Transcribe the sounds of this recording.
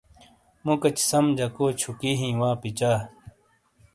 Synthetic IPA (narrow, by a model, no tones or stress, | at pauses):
mukɐt͡ɕsɐmd͡ʑɐkoːt͡ɕʰukiɦĩːwãːpit͡ɕaː